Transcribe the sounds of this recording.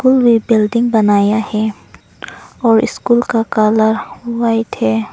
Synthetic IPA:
kulwibɪlɖɪ̃ŋɡ̚bɐnaːjahɛ | ɔːɾɪ̰skulkakaːləɾaːit̪ʰɛː

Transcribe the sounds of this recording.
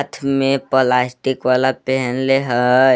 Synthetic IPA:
t̪ʰmẽpolasʈikʋalapɛɦənleɦə

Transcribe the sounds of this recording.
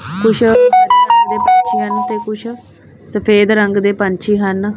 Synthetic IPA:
kʊʃʰɾəːɾəŋɡd̪eːpəɲt͡ʃʰiːɦənt̪eːkʊt͡ʃʰ | səpʰeːd̪ɾəŋɡd̪eːpəɲt͡ʃʰiːɦən

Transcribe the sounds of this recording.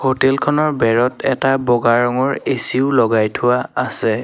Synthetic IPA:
hotɛlkʰɔnɔɹbɛɹɔtɛtabɔɡaɹɔŋɔɹesiʊlɔɡajtʰʊwaːsɛ

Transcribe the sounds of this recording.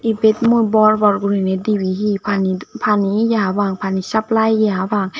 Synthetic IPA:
ʔibet̪̚mubɔɾbɔɾɡuɾinediːwiːɦiːpʰanpʰaːnijaawaːŋpʰaːnisap̚lajjaawaːŋ

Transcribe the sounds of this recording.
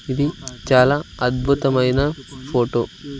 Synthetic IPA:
id̪it͡ʃaːlaɐd̪bʱut̪ɐmɐjnɐpʰoːʈo̰ː

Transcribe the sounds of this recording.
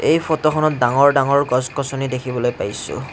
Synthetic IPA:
ejpʰɔtɔkʰɔnɔt̚daŋɔɹdaŋɔɹɡɔskɔsɔnidekʰibɔlojpajsʊ̰

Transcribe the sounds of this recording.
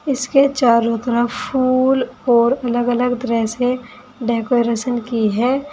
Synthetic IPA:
ɪsket͡ʃaːɾot̪ɾəpʰuːlɔːɾɐləɡələɡt̪əɾəɦse | ɖeːkoɾesənkiɦɛː

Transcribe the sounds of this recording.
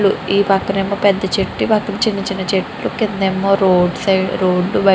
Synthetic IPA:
luiːpɐkːɐnemːoːpɛd̪ːɐt͡ʃeʈːipɐkːɐnit͡ʃinːit͡ʃinɐt͡ʃeʈːlukind̪ɐemːoːɾoːɖsɐɾoːɖːubɐ

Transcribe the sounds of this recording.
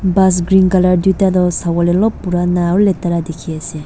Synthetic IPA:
bas̬ɡɾinkalaɾdutadɔsawalelɔpːuɾanaɾuletaɾadekʰiase

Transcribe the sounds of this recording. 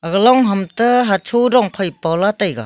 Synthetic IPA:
ɐɡlɔŋɦamtɯɦat͡ʃʰuwɾɔŋpʰajpawlatajɡa̰

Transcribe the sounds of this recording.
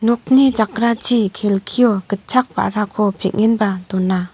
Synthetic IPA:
nɔk̚nid͡ʒak̚ɾat͡ʃʰikʰelkʰijɔɡ̥ət̚t͡ʃʰak̚pa̰ɾakʰɔpʰek̚ŋinbadɔnːa

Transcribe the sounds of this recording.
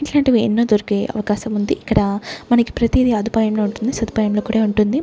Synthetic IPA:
eɳʈlɐɳʈeiḛnːoːd̪oɾukeʔɐ̰ʋɐkaːʃɐmund̪iʔːkːɐɽɐmɐnɐki̥pɾɐt̪iːd̪iɐd̪ʱipaːjɐmlo̞ːuɳʈund̪isɐd̪ipaːjɐmlo̞ːkuːɽaːuɳʈund̪i

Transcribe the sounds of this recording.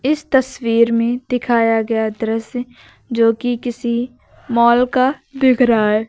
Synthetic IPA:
ɪst̪əswiːɾmẽd̪ɪkʰaːjaɡɐjaːd̪əɾəs | d͡ʒoːkikɪsi | mɔːlkabɪɡʱɾaːɦɛː

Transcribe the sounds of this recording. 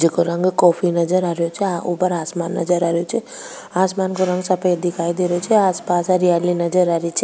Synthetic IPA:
d͡ʒikoɾəŋɡkɔːpʰinəd͡ʒəɾaɾjot͡ʃʰɛaupəɾaːsmaːnːə̰d͡ʒəɾaɾjot͡ʃʰɛ | aːsmaːnkoɾə̃ŋɡsəpəjd̪ikʰaːid̪eɾt͡ʃʰɛaːspasaɾijalinəd͡ʒəɾaɾit͡ʃʰi

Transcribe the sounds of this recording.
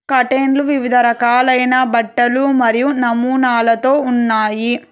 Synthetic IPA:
kɐʈeːnluʋiʋid̪ʱɐɾɐkaːlɐjnɐbɐʈːɐlumɐɾijunɐmuːnaːlɐt̪o̞ːunːaːji

